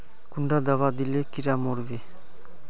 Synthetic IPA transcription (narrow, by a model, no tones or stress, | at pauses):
kuɳɖad̪awad̪ilekiɾamoɾbe